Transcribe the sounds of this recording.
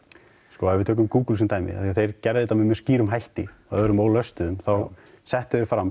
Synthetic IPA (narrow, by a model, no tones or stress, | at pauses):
skɔavɪðt̪ʰœːkʏmkuːklsʏnt̪aːjmɪ̰a̰θiaθejɾcɛɾðɪt̪amɪmɛsciːɾʏmɦajht̪ɪaœɾʏmoːwlœst̪ʏðʏmθaw | sɛht̪ʏðʏɾfɾam